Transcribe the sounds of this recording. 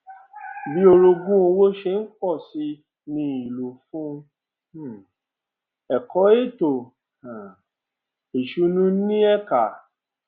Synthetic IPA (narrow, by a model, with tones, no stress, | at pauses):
bi˦o˧ɾo˧ɡũ˦o˧wo˦ʃe˧n̩˦kɔ˦˨si˧ | nĩ˧˦i˨lo˨fũ˦˨ | ɛ˨kɔ˨˦e˦˨to˨ | a˨ | e˨ʃu˨˦nũ˦nĩ˦ɛ˦˨ka˨